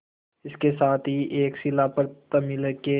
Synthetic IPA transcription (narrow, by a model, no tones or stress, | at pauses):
ɪskesaːt̪ʰɦiʔeːksɪlapɐɾt̪ɐmiləke